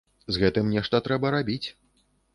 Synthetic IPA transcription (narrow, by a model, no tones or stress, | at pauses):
zɣɛt̪ɨmnʲɛʂt̪ɐt̪ɾɛbɐɾabʲit͡sʲ